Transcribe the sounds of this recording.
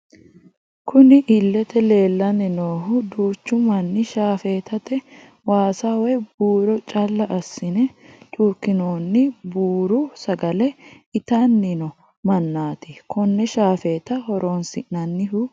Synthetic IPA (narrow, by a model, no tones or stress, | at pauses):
kʰʊnɪʔɪlːɛt̪ɛle̞ːlːɐnɛnoːɦʊd̪uːt͡ʃːʊmɐnːɪʃaːfe̞ːt̪ɐt̪ɛ | waːsawɛb̥uːɾɔt͡ʃʼɐlːɐʔɐsːɪnɛt̪ʼuːɾkɪnoːnːɪbuːɾʊsɐɡɐlɛ | ɪt̪anːɪnɔ | mɐnːaːt̪ɪkʰɔnːɛʃaːfeːt̪ɐhɔɾo̞ːnsɪʔnɐnːɪɦʊ